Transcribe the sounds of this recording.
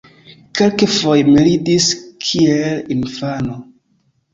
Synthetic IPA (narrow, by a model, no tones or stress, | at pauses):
kelkefojmilidiskʰielinfano